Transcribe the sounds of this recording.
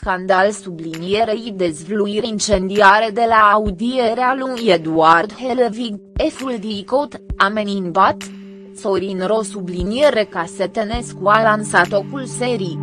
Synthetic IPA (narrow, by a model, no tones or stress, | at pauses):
skand̪alsublinjeɾejd̪ezvluiɾeint͡ʃend̪iaɾed̪e̞laːud̪ieɾealujed̪uard̪helviɡefuld̪ikot̪ameninbat̪ | soɾinɾosublinijeɾekaset̪eneskualansat̪okulseɾi